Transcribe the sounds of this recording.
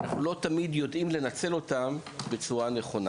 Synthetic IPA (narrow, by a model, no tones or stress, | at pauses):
aχlo̞t̪amid̪jo̞dimle̞nat͡se̞lo̞tambe̞t͡suʁane̞χo̞na